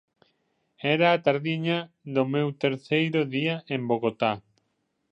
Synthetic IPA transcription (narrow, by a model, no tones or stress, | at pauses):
ɛɾaːt̪aɾðiɲɐ | ðʊmewt̪eɾθejɾʊðiɐʔemboɣot̪a